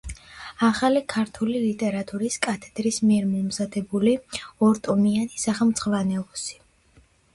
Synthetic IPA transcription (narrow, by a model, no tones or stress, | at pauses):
aχalikʰaɾt̪ʰulilit̪ʼɛɾat̪ʼuɾiskʼat̪ʰɛ̥d̪̥ɾismiɛɾmɔmzad̪ɛbuliɔɾt̪ʼɔmianisaχɛmt̪sʼχʼvanɛlˠɔsi̥